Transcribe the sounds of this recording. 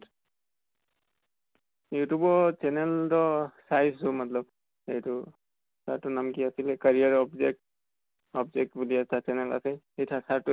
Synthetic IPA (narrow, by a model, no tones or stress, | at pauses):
jutubɔt͡ʃɛnɛltɔsajsʊmatlɔb | ejtʊ | taɹtʊnamkiasilɛkaɹijaɹɔbzɛk̚t | ɔbzɛk̚tbuliatat͡ʃɛnɛla̰sɛhejtʰasatʊ